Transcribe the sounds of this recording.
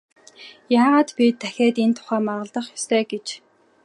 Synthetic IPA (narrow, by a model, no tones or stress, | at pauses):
jaːʁaːt̪pʲit̪ʰːæxʲeːt̪ent̪ʰʊ̥χæːmaʁə̆ɮt̪ə̆χjɔst̪ʰeːɡet͡ɕ